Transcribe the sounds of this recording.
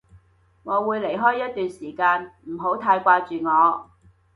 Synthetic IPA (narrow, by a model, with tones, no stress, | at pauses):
ŋɔː˨˧wuː˨˧jle˨˩jɦɔː˥jːɐ˥t̚t̪yː˨nsiː˨˩kaː˧nm̩˨˩ɦo˨˥wt̪ʰaː˧jkʷaː˧t͡ʃyː˨ŋɔː˨˧